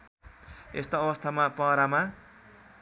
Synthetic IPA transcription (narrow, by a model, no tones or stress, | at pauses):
ḛst̪oʌbʌst̪ʰamapʌɾama